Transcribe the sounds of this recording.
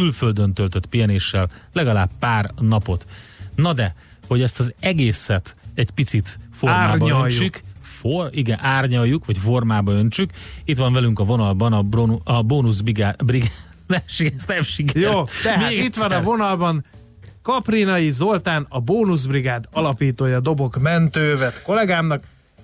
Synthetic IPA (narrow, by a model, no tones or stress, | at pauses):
kylføld̪ønt̪ølt̪øt̪pijɛneːʃːɛllɛɡɒlaːbːaːrnɒpo̞t̪nɒd̪ɛ | ho̞ɟɛst̪ɒzɛɡeːsɛt̪ɛcpit̪sit̪fo̞rmːaːbɒønjt͡ʃːykforiɡɛnʔaːrɲɒjːukʋɒcfo̞rmaːbɒønt͡ʃykit̪ʋɒɱvɛlyŋkɒvo̞nɒlbɒnɒbonuɒboːnuzbiɡaːbriɡa | d̪aʃiɡɛst̪ɛmʃikjoːt̪ɛhmait̪ːʋɒnɒvo̞nɒlbɒn | kɒprinɒjizo̞lt̪aːnɒboːnuzbriɡaːd̪ɒlɒpiːt̪oːjɒd̪o̞bo̞kmɛnt̪øːvɛt̪ko̞lɛɡaːmnɒk